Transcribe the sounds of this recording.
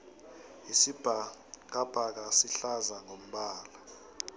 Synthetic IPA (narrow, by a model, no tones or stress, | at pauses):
isib̥ʱak̬ab̥ʱak̬asiɬazaŋom̩ɓaːla